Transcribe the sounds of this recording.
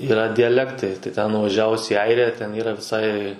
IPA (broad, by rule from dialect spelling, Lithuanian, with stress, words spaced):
iːˈrɐ dʲɪjɛˈlʲæːktɐɪ tɐɪ tʲɛn nʊʋɐˈʒʲæːʋʊs iː ˈɐɪrʲɪjæː tʲɛn ˈiːrɐ ʋʲɪˈsɐɪ